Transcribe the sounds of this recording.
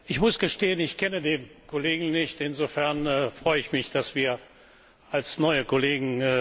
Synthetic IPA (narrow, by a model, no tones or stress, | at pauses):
ʔɪçmʊsɡ̥əʃteːənɪçkʰɛnədeːnkoleːɡŋ̩nɪçtɪnzofɛɐnɛːfʁ̥ɔʏəɪçmɪçd̥asv̥iːɐ | ʔalsnɔʏəkoleːɡŋ̩ː